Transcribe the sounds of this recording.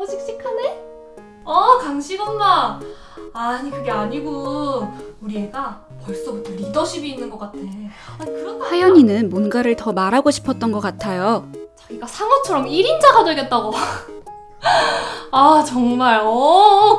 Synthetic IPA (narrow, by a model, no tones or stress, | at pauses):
ʌd͡ʑik̚s͈ikʰane | ʌkaŋɕʰiɡʌnːa | aɲikɯɡe̞aɲiɡu | uɾie̞ɡa | pʌɭs͈ʌbutʰeɾidʌɕʰibiːnːɯnɡʌk͈atʰekɯɾʌpʰajʌɲinɯnmonɡaɾɯɭtʌmaɾaɡoɕʰi̥pʰʌt̚t͈ʌnɡʌk͈atʰajot͡ɕaɡiɡasʰaŋʌt͡ɕʰʌɾʌmiɾind͡ʑaɡadweɡʌt̚t͈aɡo | at͡ɕʌŋmaɭʌ